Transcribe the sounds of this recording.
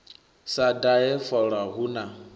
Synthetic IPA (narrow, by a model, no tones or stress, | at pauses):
sadaɛfɔɺaɦuna